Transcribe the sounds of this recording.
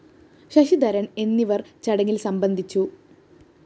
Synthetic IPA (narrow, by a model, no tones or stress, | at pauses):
ɕɐɕid̪ɐɾɐɳe̞nːiʋɐrt͡ɕɐɽɐŋːilsɐmbɐnd̪ʱit͡ɕːu